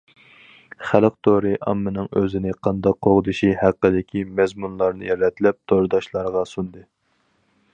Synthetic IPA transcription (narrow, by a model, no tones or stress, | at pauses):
χælq̚t̪ʰoɾɨʔɑ̰mːɨnɨŋøzɪnɪqʰɑnd̪ɑqʰːoʁd̪ɨʃihæqːəd̪ɪkʲʰimɛzmunlˠɑɾnɨjɛɾlɛt̪ʰɪlɛp̚t̪ʰoɾd̪ɑʃlˠɑɾʁɑsund̪ɨ